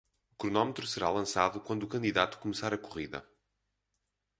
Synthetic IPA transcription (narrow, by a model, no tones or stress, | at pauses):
ukɾunɔmt̪ɾusɨɾalˠɐ̃saðukwɐ̃nd̪uːkɐ̃nd̪iðat̪u̥kumɨsaɾɐkuʁiðɐ̰